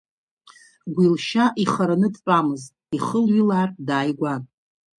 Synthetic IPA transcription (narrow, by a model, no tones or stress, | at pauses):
ɡʷilʃaʔiχaɾanɨdpʷʼamɨztʼiχəlɥilaːrdaːjɡʷan